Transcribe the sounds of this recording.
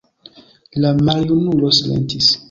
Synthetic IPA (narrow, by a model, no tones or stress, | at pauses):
lamaɾjunulosilḛntis